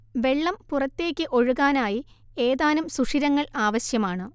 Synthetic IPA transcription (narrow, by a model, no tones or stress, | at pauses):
ʋe̞ɭːɐmpurɐt̪ːe̞ːkʲːɨʔo̞ɻuɣaːnaːji | e̞ːðaːnumsuʂiɾɐŋːɐɭaːʋɐɕjɐmaːɳɨ